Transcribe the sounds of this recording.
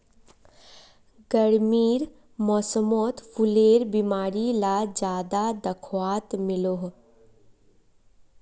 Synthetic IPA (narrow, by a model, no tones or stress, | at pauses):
ɡəɽmiːɾ | mɔːsəmot̪pʰʊleːɾbimaːɾilad͡ʒjaːd̪ad̪ɐkʰwaːt̪mɪloɦ